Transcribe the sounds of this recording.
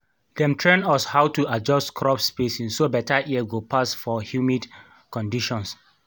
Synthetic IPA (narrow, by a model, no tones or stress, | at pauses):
dɛ̃mtʰɹɛ̃nɔshaʊtuad͡ʒɔstkʰɹɔpspesĩnsobɛtaʔiəɡopʰasfɔhjumid | kɔ̃ndiʃɔ̃ns